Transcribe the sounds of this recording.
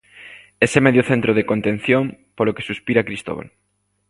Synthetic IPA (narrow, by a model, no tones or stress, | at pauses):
esemeðjoθent̪ɾoð̞ekont̪ẽn̟θjompoloke̥suspiɾakɾist̪o̰βa̰l